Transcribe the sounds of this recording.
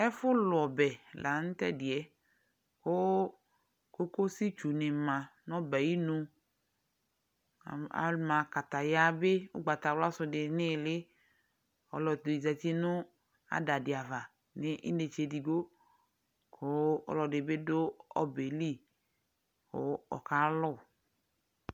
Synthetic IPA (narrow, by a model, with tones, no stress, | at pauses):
ɛ˦fʊ˦lʊ˨ɔ˨bɛ˨lʔa˨˦n̩˦t̪ɛ̰˦dɪ˨ɛ˨˦ | ko˦ | ko˦ko˦si˦t͡ʃu˨nɪ˨mã˨nɔ̃˦bɛ˨ji˦nũ˧˨ | a̰˨mã˨ka˨t̪a˨ja˦be˦ʊ̰˦ɡ͡ba˨t̪a˨wla˦sʊ˧dɪ˨nɪ˦˨lɪ˦ | ɔ̰˨lɔ˨d̪o˨i˨zɛ˨t͡ʃi˦nʊ˦ | a̰˨da˨dɪ˨a˨va˨ | ne˦ʔḭ˦ne˨t͡ʃe˧di˨ɡo˦ | kʰo˦ɔ̰˨lɔ˨de˨be˦do˦ɔ̰˦be˨li˦˨ | o̰˨˦ɔ̰˨ka˦lɔ˦˨